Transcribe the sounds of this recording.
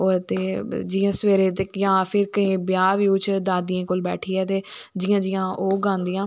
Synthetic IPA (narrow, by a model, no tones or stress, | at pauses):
oːt̪eːd͡ʒɪːãːsəʋeːɾeːt̪̬ekjãːpʰɪɾkəĩːbjaːʋiːʊt͡ʃʰd̪aːd̪ijãːkoːlbɛːʈʰiːɛːt̪eːd͡ʒɪːãːd͡ʒɪjãːʔoːɡãːnd̪ijãː